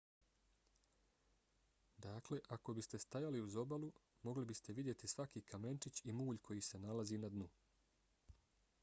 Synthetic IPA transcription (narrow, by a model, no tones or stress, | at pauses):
d̪aːkle̞ʔako̞bist̪e̞st̪ajaliuzo̞balu | mo̞ɡlibist̪e̞ʋid̪je̞t̪isʋakiːkʰame̞ntit͡ɕimuːʎkʰo̞jiːse̞nalaziːnad̪nu